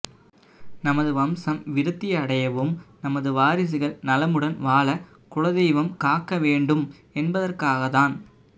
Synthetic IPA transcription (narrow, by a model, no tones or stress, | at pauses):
nɐmɐðɯʋɐmsɐmʋɪɾɯt̪ːɪjɐɽɐjɐʋɯmnɐmɐðɯʋaːɾɪs̬ɯɣɐɭnɐlɐmɯɽɐnʋaːlɐ | kʊɭɐðɛjʋɐmkaːkːɐʋeːɳɖɯm | ɛnbɐðɐrkaːɣɐðaːn